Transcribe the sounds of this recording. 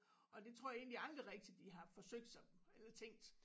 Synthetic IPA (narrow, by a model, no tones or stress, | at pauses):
ɒ̽d̥e̝t͡sʰʁo̝ɐ̰jɑe̝ːnliɑ̈ld̥ʁiʁeɡ̥̚d̥i̥d̥iɦɑ̈fɒ̽søɡ̥̚d̥sɒ̽melɐt͡sʰeŋ̰ɡd̥